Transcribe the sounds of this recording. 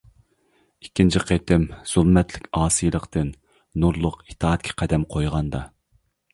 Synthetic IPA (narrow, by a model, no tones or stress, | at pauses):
ikʲːint͡ʃʰiqʰet̪ʰɪmz̥ulˠmɛt̪ʰlɪkʲɑːsɨjlˠəqt̪ɨn | nuɾlˠʊqit̪ʰɑːt̪̚kʲʰɛ̥qʰæd̪ɛmqʰojʁɑnd̪ɑ